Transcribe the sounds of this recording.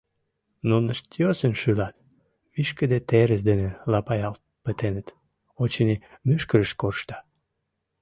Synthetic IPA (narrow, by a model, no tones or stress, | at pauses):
nonəʃt̪ijosənʃylɑt̪ | βiʃkəd̪et̪eɾəs̬d̪ənelɑpɑjɑlt̪̚ | pət̪enət̪ | ot͡ɕənimyʃkəɾəʃkorʃt̪ɑ̥